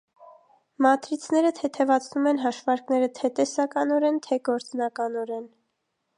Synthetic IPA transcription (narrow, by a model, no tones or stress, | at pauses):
mɑt̪ɾit͡sʰnɛɾət̪ʰɛt̪ʰɛvɑt͡sʰnumɛn̪ɦɑʃvɑɾknɛɾət̪ʰɛt̪ɛsɑkɑnɔɾɛnt̪ʰɛɡɔɾt͡snɑkɑnɔɾɛn